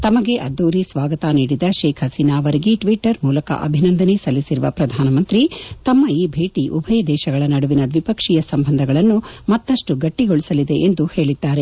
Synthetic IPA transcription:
t̪ɐmɐɡe̞ʔɐd̪ːoːɾisʋaːɡɐt̪aniːɽid̪ɐʃeːkʰɦɐsiːnaːʋɐɾiɡiʈʋiʈːɐɾmuːlɐkɐ̰ʔɐ̰bʱinɐnd̪ʱɐnesɐlːisiɾuʋɐpɾɐd̪ʱaːnɐmɐnt̪ɾit̪ɐmːɐiːbʱe̞ːʈiʔubʱɐjɐd̪ɛːʃɐɡɐɭɐnɐɽuʋinɐd̪ʋipɐkʂijɐsɐmbʱɐnd̪ʱɐɡɐɭɐnːumɐt̪ːɐʂʈuɡɐʈːiɡoɭisɐlid̪e̞ʔːnd̪uhe̞ːɭid̪ːaːɾe̞

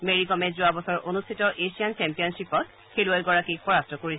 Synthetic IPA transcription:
meɹikɔmɛzʊabɔsɔɹʔonustʰitɔʔesiant͡ʃɛmpijɔnsipɔt̚ | xeluajɡɔɹakipɔɹastʰɔkoɹi

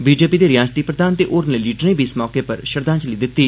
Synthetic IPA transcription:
biːd͡ʒeːpiːd̪eːɾɪjaːd͡ʒt̪iːpɾəd̪aːnt̪eːʔoːɾneliːʈnẽːbʱiːɪsmɔːkeːpəɾʃəɾd̪ãːt͡ʃəliːd̪ɪt̪ːiː

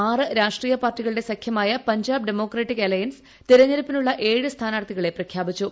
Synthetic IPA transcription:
aːrɨɾaːʂʈriːjɐpaːrʈːiɣɐɭɨɽe̞sɐkʰjɐmaːjɐpɐɲd͡ʑaːbɖemo̞ːkreːʈːikelɐjɐns | t̪iɾɐɲːɐɾɐpːinuɭːɐʔe̞ːɻɨst̪ʰaːnaːɽt̪iɣɐɭe̞prɐkʰjaːbit͡ɕːu

